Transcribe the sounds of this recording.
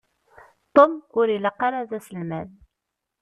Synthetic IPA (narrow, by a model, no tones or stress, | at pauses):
t̪ˤomʊɾiləqːɑɾaðæsəlmæð